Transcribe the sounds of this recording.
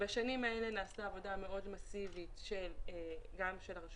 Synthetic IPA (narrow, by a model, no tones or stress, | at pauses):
baʃanimaele̞naːstaːvo̞dame̞o̞dmasivitʃelɡamʃelaʁaʃ